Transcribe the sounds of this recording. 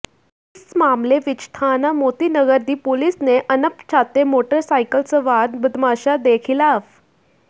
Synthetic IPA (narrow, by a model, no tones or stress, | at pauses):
ismamleʋit͡ɕt̪ʰanamot̪iːnəɡəɾd̪iːpolisneʔənəpt͡ɕʰat̪emoʈəɾsajkəlt͡səʋad̪bəd̪maɕad̪ekʰilaf